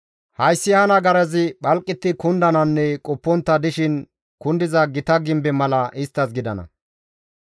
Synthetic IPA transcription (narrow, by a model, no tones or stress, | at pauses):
hɐjsːɪhɐnɐɡɐɾɐzɪɓɐlkʼːɪt̪ːɪkʊnd̪ɐnɐnːɛkʼɔpːɔnt̪ːɐd̪ɪʃɪn | kʊnd̪ɪzɐɡɪt̪ɐɡɪmbɛmɐlɐʔɪst̪ːɐsɡɪd̪ɐnɐ̰